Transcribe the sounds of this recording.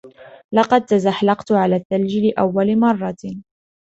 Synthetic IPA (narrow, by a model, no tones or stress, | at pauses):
lɑqɑd̪̚t̪azaħlɑqt̪ʕalaːt̪ːald͡ʒɪlɪʔa̰wːalmɑrˤːɑ